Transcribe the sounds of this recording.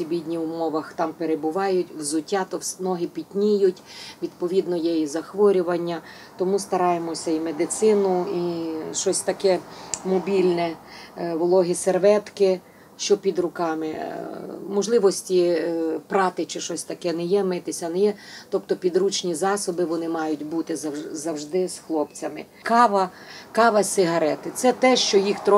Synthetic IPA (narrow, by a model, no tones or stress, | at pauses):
ibʲidʲnʲiwʊmɔʋɐxt̪ɑmpeɾebʊʋɑjʊtʲwzʊtʲːat̪ɔnɔɦɪpʲitʲnʲijʊtʲʋʲid̪pɔʋʲid̪nɔjɛjizɐxʋɔɾʲʊʋɐnʲːɐ | t̪ɔmust̪ɐɾɑjemɔsʲɐimed̪ɪt̪sɪnʊiʃɔsʲt̪ɐkɛmɔbʲilʲnɛʋlˠɔɦɪserʋɛt̪kɪ | ʃt͡ʃɔpʲid̪ɾʊkɑmɪ | mɔʒlˠɪʋɔsʲtʲipɾɑt̪ɪt͡ʃɪʃɔsʲt̪ɐkɛnɛjɛmɪt̪ɪsʲɐnɛjɛt̪ɔpt̪ɔpʲid̪ɾut͡ʃnʲizɑsɔbɪʋɔnɪmɑjʊtʲbut̪ɪzɐzɐwʒd̪ɪsxlˠɔpt͡sʲɐmɪ | kɑʋɐkɑʋɐsʲɪɦɐɾɛt̪ɪt̪sɛt̪ɛʃt͡ʃɔjixt̪ɾɔ